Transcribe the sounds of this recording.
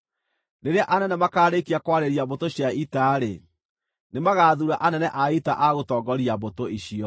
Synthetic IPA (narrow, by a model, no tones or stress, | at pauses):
neɾeaʔanɛnɛmakaːɾekiakwaɾeɾiaβotoɕjaitaɾe | nemaɣaːðuɾaʔanɛnɛʔaitaʔaɣotɔːɡɔɾiaβotoiɕiɔ